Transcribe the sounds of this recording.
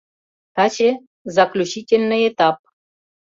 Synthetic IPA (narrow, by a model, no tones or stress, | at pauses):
t̪at͡ɕe | zaklʲuɕitʲelʲnəjet̪ap̚